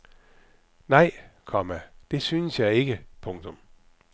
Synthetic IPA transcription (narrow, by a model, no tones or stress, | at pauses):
nɑ̈ɪ̰kʰɒmæd̥e̝syːnəsjɑ̈ɪe̝ɡ̥əpʰɔ̽ŋt͡sʰɔm